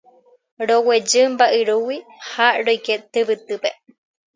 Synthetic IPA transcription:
ɾowed͡ʒɨmbaʔɨɾuwihaɾojket̪ɨβɨt̪ɨpḛ

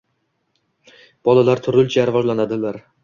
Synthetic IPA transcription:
b̥ɒlˠalaɾt̪ʰʊɾɪlˠt͡ʃʰaɾɪvɒʒlanad̪ɪlaɾ

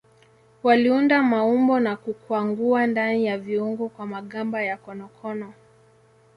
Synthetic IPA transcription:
waliundamaumbɔnakukwaŋɡuandanijaviuŋɡɔkwamaɠambajakɔnɔkʰɔnɔ

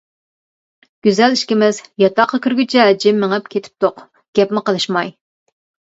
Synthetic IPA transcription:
ɡ̥ʲyzɛliʃkʲimɪzjɑt̪ɑqʰːɑkʲʰyɾɡʲyt͡ʃʰɛd͡ʒɪmːɪŋəp̚kʲʰet̪ʰɪ̥p̚t̪ʰoq | ɡ̥ʲɛpmɪqəlˠɨʃmɑj

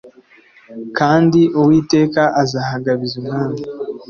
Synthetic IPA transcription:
kaːndiʔowiːte̞ːkaʔazaːhaɡaβizimŋaːna

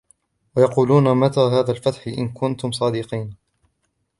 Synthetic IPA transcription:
wajɑquːluːnamat̪aːɦaːðaːlfat̪ħɪʔɪ̰nkʊnt̪ʊmsˤɑːd̪ɪqiːn

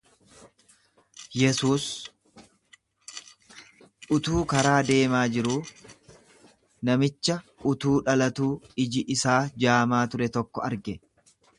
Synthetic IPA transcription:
jɛsuːs | ʔʊt̪uːkɐɾaːd̪e̞ːmaːd͡ʒɪɾuː | nɐmɪt͡ʃːɐʊt̪uːᶑɐlɐt̪uːɪd͡ʒɪʔɪsaːd͡ʒaːmaːt̪ʊɾɛt̪ɔkːɔɐɾɡɛ

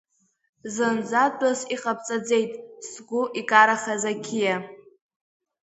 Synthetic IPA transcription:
zɨnd͡zʷadʷʼasiqʼap̚ʰʼt͡sʼad͡ze̞jtʼsɡʷʊʔikʼaɾaχazakʲʰija

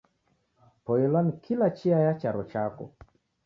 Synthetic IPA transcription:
pɔjɛlanikʰilat͡ʃiajat͡ʃaɾɔt͡ʃakɔ̰

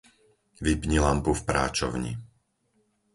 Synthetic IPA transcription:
ʋibɲilampufpɾa̰ːt͡ʃɔ̰ʊɲḭ

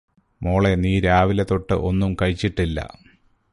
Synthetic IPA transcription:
moːɭe̞niːɾaːʋilet̪o̞ʈːɨ̰ʔo̞nːumkɐɻit͡ɕːiʈːilːɐ̰

